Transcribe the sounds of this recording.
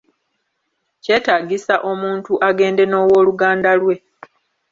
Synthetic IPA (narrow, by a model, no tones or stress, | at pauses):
ce̞ːtaːɡisaʔo̞muːntuʔaɡe̞ːnde̞no̞ːwo̞ːluɡaːndalwe̞